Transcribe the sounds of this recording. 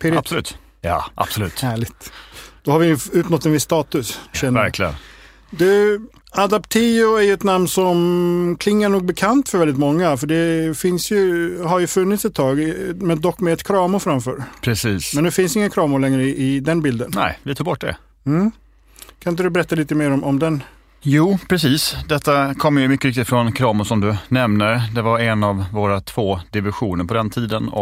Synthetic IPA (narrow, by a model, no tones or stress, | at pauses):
pʰɪɾb̥sɔlʉːt̪ | jɑ̰ːʔa̰b̥sɔlʉ̟ːt̪hæːɭɪɡt̪d̪̥ɔhaɾvɪʉ̟ːt̪nɔt̪ːɛnvɪsːt̪ɑːt̪ɵsɕɛnːəvæɾklɪɡə̰n | d̪ɵ | ad̪apt̪ʰiːʊæɾjəɛt̪namnsɔmkʰlɪŋːaɳuːɡ̚bɛkʰant̪fœɾvɛlɪt̪mɔŋːafœɖɛfɪnsjɵɦaɾjɵfɵnːɪt̪sɛt̪ʰːɑːɡmɛd̪ɔkːmɛɛt̪kʰɾɑːmʊfɾamfœ̰ːɾpʰɾɛsiːsmɛnd̪ɛfɪnsɪŋːakʰɾɑːmʊɭɛŋɾəɪʔɪd̪ɛnbɪld̪ənnɛ̰ɪlɪt̪ʰuːɡ̚bɔʈ̚ːd̪ɛ̰ | m̩ː | kʰanɪn̬əd̪ɵbɛɾɛt̪ːaliːt̪əmeːɾɔmɔmd̪ɛn | juːpʰɾɛsiːsd̪ɛt̪ːakʰɔmːjɵmʏkːəɾɪk̚t̪ɪt̪fɾɔnkʰɾɑːmʊʂɔmd̪ɵnɛmnəɾd̪ɛvaɾɛnavvoːɾat̪ʰv̥oːd̪ɪvɪɧuːnəɾpʰɔd̪ɛnt̪ʰiːd̪ənɔ̰